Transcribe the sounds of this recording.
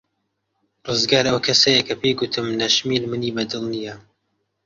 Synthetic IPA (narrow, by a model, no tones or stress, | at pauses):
rɨzɡaːɾɐwkʰɐsɐjɐkʰɐpʰeɡʊt̪ʰɨmnɐʃmilmɨniːbɐd̪ɨlˠnijɐ